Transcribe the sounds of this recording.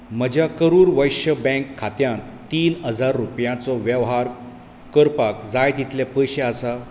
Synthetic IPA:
m̤əd͡ʑʱjakəɾuːɾʋəjɕəbɛ̃ŋkʰːat̪jãn | t̪iːnɦəd͡zaɾːupjãt͡sɔʋjəʋɦaɾ | kəɾpakd͡zajd̪it̪ljapəjɕeəsa

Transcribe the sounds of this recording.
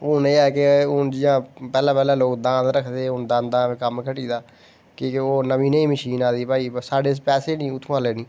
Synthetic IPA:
oneːɛːkeʊnd͡ʒiːãːpɛːlãːpɛːlãːloːkd̪ãːd̪ɾəkʰd̪eːʊnd̪ãːnd̪ãːẽːkəmkʰəʈiːd̪aː | keːkoːnəʋĩːnəĩːməʃiːnaːd̪iːpaːiːsaːɖeːs̬pɛːseːnĩːʊt̪ʰːõaːleːnĩː

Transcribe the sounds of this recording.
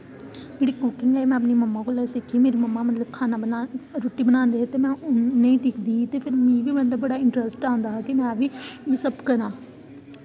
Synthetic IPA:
d͡ʒeːɽiːkʊkɪ̃ŋɡɛːmɛ̃ːəpniːməmːãːkoːlɛːsɪkʰːiːmeːɾiːməmːaːmət̪ləb̚kʰaːnabənaɾoːʈːiːbənãːnd̪eːɦɛt̪eːmɛ̃ːʊːeĩːd̪ɪkʰd̪iːt̪eːpʰɪɾmĩːʋiːmə̃d̪abəɽaːɪ̃ɳʈɾəsʈãːnd̪aːɦkɪmɛ̃ːʋiːʋɪsəbkəɾãː

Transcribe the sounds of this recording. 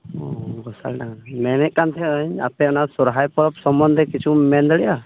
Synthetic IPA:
ɔɡɔsalnaŋnmɛnɛʔ̚kːant̪ʰɛəɲa̰pɛɔnasɔɾɦajpɔɾɔp̚sɔmbɔnd̪ʱɛkit͡ʃʰumɛnd̪ɔɭɛja

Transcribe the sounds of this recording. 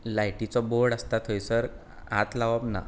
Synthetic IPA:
lajʈit͡sɔboɾɽəst̪at̪ʰɦojsəɾ | a̰t̪laʋabna̰

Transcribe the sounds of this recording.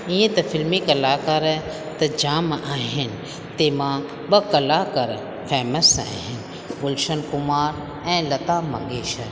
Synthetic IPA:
ĩjẽt̪ɐfɪlmikɐlaːkɐɾ | t̪ɐd͡ʒaːmaːɦɪnɪ | t̪eːmãː | ɓɐkɐlaːkɐɾ | fʰɛːməsa̰ːɦɪn | pʊlʃɐnkʊmaːɾ | ɛ̃ːlɐt̪aːmɐ̰ŋɡeːʃə

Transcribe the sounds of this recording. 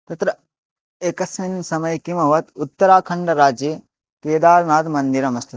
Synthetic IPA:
t̪ɐt̪ɾɐ | ekɐsminsɐmɐjkimɐʋɐt̪ut̪ːɐɾaːkʰɐɳɖɐɾaːd͡ʒjeː | t̪eːd̪aːɾnaːd̪mɐnd̪iɾɐmɐst̪ʰɐ

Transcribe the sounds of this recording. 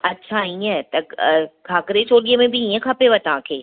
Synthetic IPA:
ɐtːɕʰaiə̃t̪ɐkʰaːkɾet͡ɕoːɗiəmẽbɪiə̃kʰapeʋət̪ɐʋ̤ãkʰeː

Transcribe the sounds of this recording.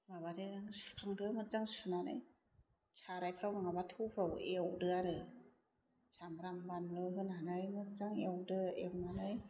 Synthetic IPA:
baβaɾɯɾɯŋskʰaŋdɯmɯnzaŋsunanɯ̰j | sʰaɾajpʰɾawmaŋabatʰupʰɾawewdɯaɾɯ | sʰambɾambanlɯɦɯnanɯjmɯnzaŋewdɯewnanɯj

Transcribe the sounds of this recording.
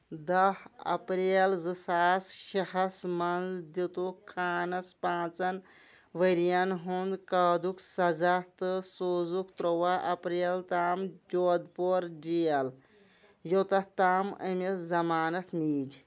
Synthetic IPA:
d̪ɐhɐ̰pɾeːlzɨsaːsʃɐɦɐsmɐnzd̪it̪okʰːaːnɐspãːt͡sɐn | ʋəɾijanɦond̪kɐːd̪uksɐzat̪ɨsoːzukt̪ɾoʋaʔɐpɾeːlt̪aːmd͡ʒoːd̪̚poɾd͡ʒijɐl | jot̪ɐht̪aːmə̰meszɐmaːnɐt̪miːd͡ʒʲ

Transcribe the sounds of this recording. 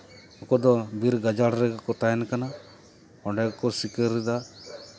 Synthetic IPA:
ɔkɔd̪ɔbiɾɡad͡ʒaɽɾɛɡakɔt̪aɛnkana | ɔɳɖɛkɔsikəɾːɛd̪a

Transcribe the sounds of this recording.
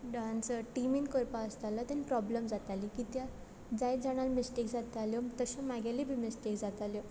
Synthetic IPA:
ɖansəʈiminkoɾpaəst̪alat̪anipɾɔbləmd͡zat̪alikit̪ja | d͡zajd͡zaɽ̃almisʈekd͡zat̪aljɔt̪əɕãmaɡalibʱimisʈekd͡zat̪aljɔ

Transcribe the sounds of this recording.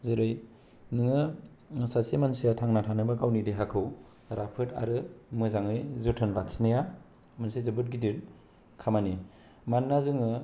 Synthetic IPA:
zɯɾɯj | nɯŋɯ | sasimansijatʰaŋnatʰanɯbaɡawnideɦakʰɯw | ɾapʰɯtʰa̰ɾɯmɯzaŋɯjzɯtʰɯnlakʰi̥snaja | mɯnsezɯbɯt̚ɡidil | kʰamani | manːazɯŋɯ

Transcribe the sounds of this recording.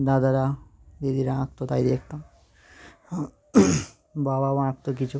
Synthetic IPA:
d̪ad̪aɾa | jed̪iɾaãk̚t̪ot̪ajd̪ekʰt̪am | babawãk̚t̪okit͡ɕʰu

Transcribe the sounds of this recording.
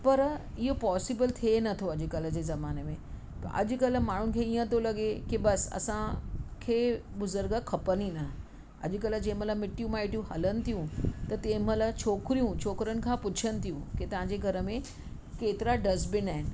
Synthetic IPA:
pɐɾ | ɪɦopɔːsibəlt̪ʰienɐt̪ʰoɐʄʊ̆kɐl̆d͡ʑeːzɐmaːnemẽ | t̪ɐ̰ʔɐ̰ʄʊ̆kɐl̆maːɳ̤ʊnɪ̆kʰeːijə̃t̪̬olɐɠekibɐsɐ̰sãkʰeːbʊzʊɾɡəkʰɐpəninɐ | ɐ̰ʄ̆kɐld͡ʑẽməlamɪʈijũmãːɪʈijũɦɐlənɪ̆t̪ʰijũt̪ɐt̪eːməlat͡ɕʰoːkɾijũt͡ɕʰoːkɾənɪ̆kʰãpʊt͡ɕʰənɪ̆t̪ʰijũket̪ɐʋ̤ãɲd͡ʑeɡʱɐɾə̆mẽ | keːt̪ɪɾaɖɐzbɪnaːɦɪnɪ̆

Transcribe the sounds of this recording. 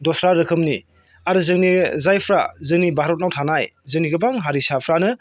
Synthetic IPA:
dɔsɾaɾɯkʰɯmni | aɾɯzɯŋnizajpʰɾazɯŋnibaɾɔt̚nawtʰanajzɯŋniɡɯbaŋɦaɾisapʰɾanɯ

